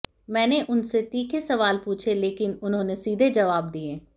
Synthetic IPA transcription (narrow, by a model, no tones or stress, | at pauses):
mɛ̃ːneʔʊnset̪iːkʰesəʋaːlpuːt͡ʃʰeleːkɪnʊnɦõːnesiːd̪ʱed͡ʒəʋaːb̚d̪ieː